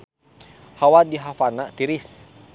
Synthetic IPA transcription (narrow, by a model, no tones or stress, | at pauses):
hawadiɦafanat̪iɾɪs